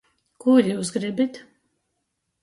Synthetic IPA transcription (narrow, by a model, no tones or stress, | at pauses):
kuɾʲjuːsɡɾibit̪